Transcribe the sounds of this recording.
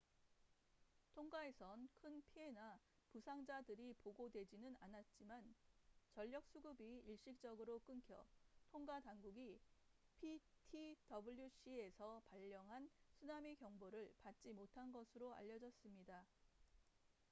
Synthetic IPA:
tʰoŋɡae̞sʰʌnkʰɯnpʰie̞na | pusʰaŋd͡ʑadɯɾipoɡodwe̞d͡ʑinɯnanat̚t͡ɕ͈imant͡ɕʌʎːʌk̚s͈uɡɯbiiɭɕ͈ik̚t͡ɕ͈ʌɡɯɾok͈ɯnkʰjʌtʰoŋɡadaŋɡuɡipʰitʰidʌbuʎːjuɕ͈ʰie̞sʰʌpaʎːʌŋɦansʰunamekjʌŋboɾɯɭpat̚t͡ɕ͈imotʰanɡʌsʰɯɾoa̰ʎːʌd͡ʑʌs͈ɯmɲida

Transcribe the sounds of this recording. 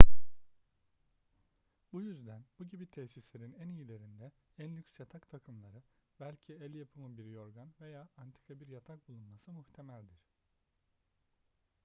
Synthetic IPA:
bujyzd̪ænbuɟibit̪ʰɛsislʲe̞ɾinænijilʲe̞ɾind̪ɛ | ænlʲycsjat̪ʰakt̪ʰakʰɯmlˠaɾɯbælʲcʰielʲjapʰɯmɯnbiɾijo̞ɾɡanve̞jaːant̪ʰi̥kʰabiɾjat̪ʰak̚bulˠunmasɯmuht̪ʰe̞mælʲd̪iɾ̥

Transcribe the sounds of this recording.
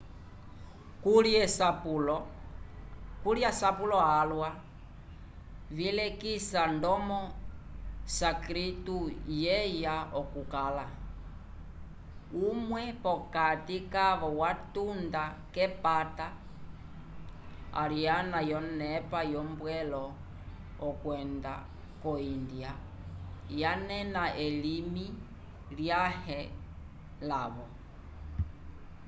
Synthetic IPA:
kulɛsaplɔ | kuljasapulɔalwa | vilɛkisandɔmɔ | sakɾitujɛjaɔkukala | umwɛpɔkatikaβɔwatunda | kɛpata | a̰ɾijanajɔnɛpajɔmbwɛlɔː | kwɛnda | kɔindja | janɛnaʔɛlimi | ljahɛ | laβɔ

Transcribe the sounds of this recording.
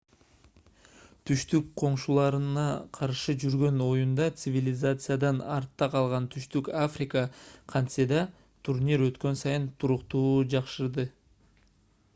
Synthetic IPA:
t̪ʰyʃt̪yk̚qʰo̞ɴʃulˠɑɾɯnɑqʰɑɾʃɯd͡ʒyɾɡø̞no̞jund̪ɑt̪sɨvʲilʲɪzat̪sɨjad̪ɑnɑɾt̪ːɑqʰɑlˠʁɑnt̪ʰyʃt̪ykafrʲɪkəqʰɑnt̪sed̪ɑ | t̪ʰuɾnʲiɾø̞t̪kø̞nsɑjɯnt̪ʰuɾuqt̪uːd͡ʒɑqʃɯɾd̪ɯ

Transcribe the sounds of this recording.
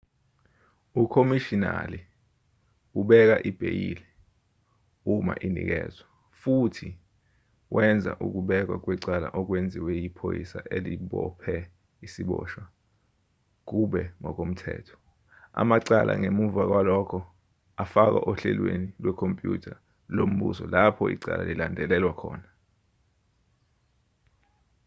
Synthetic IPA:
ukʰomiʃina̰li | uɓɛk̬aʔib̥ʱejilɛ | uma̰ʔinḭk̬ɛːzwa | futʰi | wʔɛnd͡zʱaʔuk̬uɓɛk̬wak̬wiǀala̰ʔɔk̬wend͡zʱiwɛjipʰojisaʔeliɓɔpʰɛ | isiɓɔːʃwa | k̬uɓɛŋɔk̬ʼom̩tʰɛ̰ːtʰɔ̥ | a̰maǀalʔa̰ŋemuvak̬walɔkʰɔ | afak̬aʔoɬɛlwenilwɛkʰompʼjṵtʰa | lom̩ɓṵsɔlapʰɔḭǀala̰lilandʱɛlɛlwakʰɔːna

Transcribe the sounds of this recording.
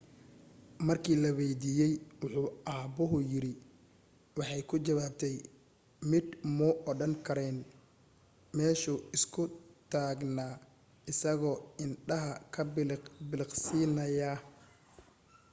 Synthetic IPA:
mɐrkʰiːlɐwɛjd̪iːjɛjwʊħuːaːbʊɦʊjɪɾɪ | wɑħɑjkʰʊt͡ʃɐwaːb̚t̪ʰɛj | mɪd̪mɔʔɔɽɐŋkʰɐɾɛn | mɛːʃʊɪskʰʊt̪ʰaːɡnaː | ɪsɐɣɔːɪnɖɐɦɐkʰɐbɪlɪqsiːnɐja

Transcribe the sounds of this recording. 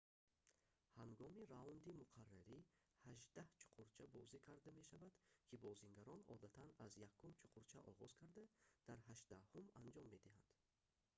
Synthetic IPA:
haŋɡɔmiɾaund̪imuqʰarːaɾi | haʒd̪aht͡ʃʰu̥qʰuɾt͡ʃʰabɔzikʰaɾd̪ame̞ʃavad̪kʰibɔziŋɡaɾɔnɔ̰d̪at̪ʰanazjakʰːumt͡ʃʰu̥qʰuɾt͡ʃʰaʔɔʁɔz̥kʰaɾd̪ad̪̥aɾhaʃd̪ahumand͡ʒɔmːe̞d̪iɦand̪̥

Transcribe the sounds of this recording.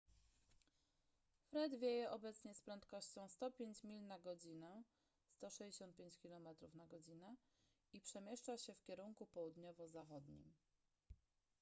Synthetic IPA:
fɾɛd̪vʲjejɛʔɔbɛt̪sɲɛspɾɛnt̪kɔɕt͡ɕɔ̃w̃st̪ɔpʲjeɲt͡ɕmʲilnaɡɔd͡ʑinɛ | st̪ɔʂɛd͡ʑeɕɔnt̪̚pʲeɲt͡ɕkʲilɔmɛt̪ɾufnaɡɔd͡ʑinɛ | ipʂɛmʲjɛʂt͡ʂaɕɛfkʲɛɾuŋkupɔwud̪ɲɔvɔzaxɔd̪ɲḭm

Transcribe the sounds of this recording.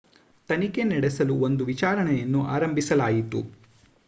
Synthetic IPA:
t̪ɐnike̞nɛɽesɐluo̞nd̪uʋit͡ʃaːɾɐɳɛjɐnːuʔaːɾɐmbʱisɐlaːjit̪ṵ

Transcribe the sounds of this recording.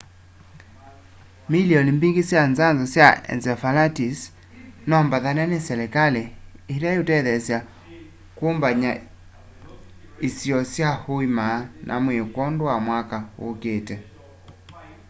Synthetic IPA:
milijɔnimbiɡisjanzanzɔsjaɛ̰nzɛfalatis | nɔmbaðanɛnɛsɛlɛkalɛiɾajutɛðɛsja | kumbaɲa | isiɔsjahuimaːnʔa̰mwekwɔnduwamwakaṵkɛtɛ

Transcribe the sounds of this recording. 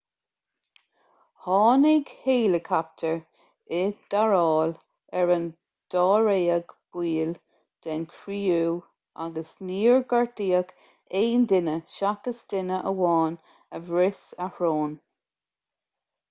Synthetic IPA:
hɑːnɪɡheːləkʰap̚t̪ʰəɹ | ɪd̪̥aɹɑːl | ɛɹən | d̪̥ɑːɹeːəɡb̥wiːl | d̪̥ɛnkʰɾiːuː | a̰ɡəsniːɹɡaɹdiːəɡ | eːndɪnəʃakəsd̪̥ɪnəʔəwɑːn | əvɹɪsəhɹoːn

